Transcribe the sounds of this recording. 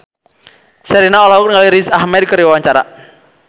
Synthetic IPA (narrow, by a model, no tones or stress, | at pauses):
sɛɾinaɔlaɦʊk̚nŋaliɾisahmɛd̚kəɾiwawaɲt͡ʃaɾa̰